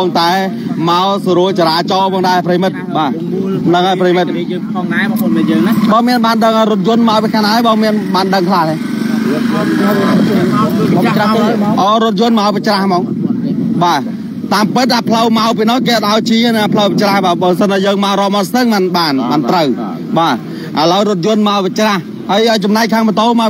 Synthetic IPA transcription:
ɔŋt̪aɛ | maɔsɔɾuəlt͡ɕaɾaːt͡ɕɑːpʰɔːŋɗaɛpʰrəjimɨt̪̚ɓaː | nəŋhaːjprejimɨt̪̚ː | ŋaəːŋnɓɑːmiənɓaːnɗəŋhaːjrʊ̆ət̪̚jʊ̆ənmaɔpikʰanaɔjɓɑːmiənɓaːnɗəŋkʰlaːhne | paht̪eʔɑːɾʊ̆ət̪̚jʊ̆ənmaɔpit͡ɕrahmɑːŋ | ɓaː | t̪aːmpɨt̪̚ʔapʰləwmaɔwp̬iːnɔ̆əhkeːʔat̪̚ʔaɔjt͡ɕiənɨŋʔapʰləwpat͡ɕrahɓaːɓəːsənɓajəːŋmaɔɾɔːmɔst̪ɨŋmɨnɓaːnmant̪rəw | ɓaː | ʔələwɾʊ̆ət̪̚jʊənmaɔwpit͡ɕrah | həəjʔəət͡ɕɑmnaɛc̚k̚kʰːaːŋmət̪oːma

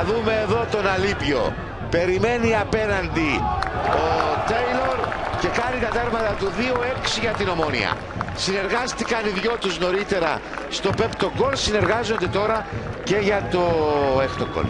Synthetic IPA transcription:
ðume̞ːðo̞t̪o̞nɐlipʝo̞̰ | pe̞ɾime̞niɐpe̞nɐnd̪iot̪ejlo̞ɾce̞kɐnit̪ɐt̪ɐɣmɐt̪ɐt̪uðio̞e̞ksiʝɐt̪ino̞mo̞nḭɐ̰ | sine̞ɾɣɐst̪ikɐniðʝo̞t̪uzno̞ɾit̪e̞ɾɐ̰ | st̪o̞pe̞pt̪o̞ɡo̞lsine̞ɾɣɐzo̞nd̪e̞t̪o̞ɾɐce̞ʝɐt̪o̞ext̪oko̰l

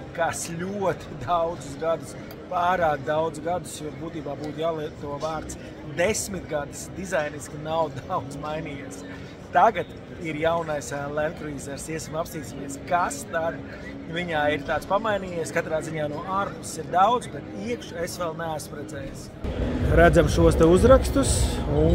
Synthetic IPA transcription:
kasʎʲuɔt̪i̥d̪awd̪zus̬ɡad̪us | paːɾaːd̪̚d̪awd̪zɡad̪usjɔːbuːt̪iːbaːbuːt̪ujaːlˠiɛt̪ːuɔvaːɾt̪s | d̪esʲmit̪ɡad̪isd̪izajniskʲinawd̪awd̪zmajniːjiɛs | t̪aɡat̪ | iɾjawnajslˠɛnk̪ɾviːzɛɾsiɛsmapsiːt̪sʲimiɛskast̪ad̪ | viɲaːiɾt̪aːt̪spamajniːjiɛskat̪ɾaːziɲaːnuɔaːɾpusiɾd̪awd̪zbɛt̪iɛkʃesʋɛlˠnɛaspɾɛd̪zɛːjs | ɾæd̪zamʃuɔst̪ɛuzɾakst̪usu

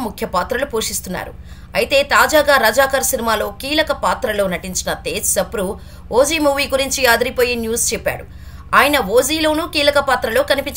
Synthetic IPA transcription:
mukʰjɐpaːt̪ɾɐlupoːʂist̪unːa̰ːɾṵ | ɐ̰jit̪e̞ːt̪aːd͡ʒaːɡaːɾɐd͡ʒaːkaːɾsinimaːlo̞ːkiːlɐkɐpaːt̪ɾɐlo̞ːnɐʈiɲt͡ʃinɐt̪e̞ːd͡ʒsɐpuɾu | ʔoːd͡ʒiːmuːʋiːɡuɾiɲt͡ʃiaːd̪ɐɾipoːjinjuːst͡ʃɛpːa̰ːɽu | aːjɐnɐʋoːd͡ʒiːlo̞ːnuːkiːlɐkɐpaːt̪ɾɐloːkɐnipiɲt͡ʃ

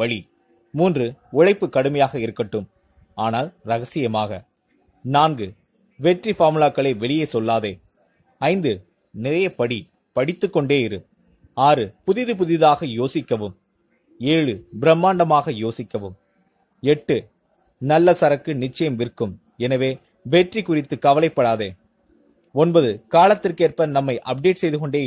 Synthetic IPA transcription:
ʋɐɭi | muːndrɯʊɻɐɪpːɯkːɐɽɯmɐjaːɣɐɪɾɯkːɐʈːɯm | aːnaːlɾɐɣɐsɪjɐmaːɣɐ | naːnɡɯ | ʋɛʈrifaːmɪlaːkːɐɭeːʋɛɭɪjeːsɔlːaːðeː | ɐɪnd̪ɯ | nɪɾɐjɐpɐɽi | pɐɽɪt̪ːɯkːɔɳɖeːɪɾɯ | aːɾɯpʊðɪðɯp̬ʊðɪðaːɣɐjoːsɪkːɐʋɯm | eːɻɯbɪɾɐmːaːɳɖɐmaːɣɐjoːsɪkːɐʋɯm | ɛʈːɯ | nɐlːɐsɐɾɐkːɯnɪt͡ʃːɐjɐmʋɪrkɯm | ɛnɐʋeː | ʋɛʈrikʊrɪt̪ːɯkɐʋɐlɐɪpːɐɽaːðeː | ɔnbɐðɯkaːlɐt̪ːɪrkeːrpɐnɐmːɐɪʔɐp̚ɖeːʈsɛjðɯkɔɳɖeː

